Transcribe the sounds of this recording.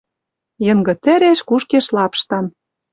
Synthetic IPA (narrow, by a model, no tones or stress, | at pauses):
jɤ̆ŋɡɤ̆t̪ɘ̆ɾeʃkuʃkeʃlɑpʃt̪ɑn